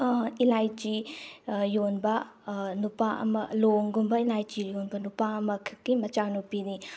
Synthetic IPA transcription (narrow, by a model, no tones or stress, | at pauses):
ilajt͡ʃi | jonbɐnupaʔɐ̰mɐloŋɡumbɐilajd͡ʒijonbɐnupaɐmɐkʰɐ̥kːimɐt͡ʃanupini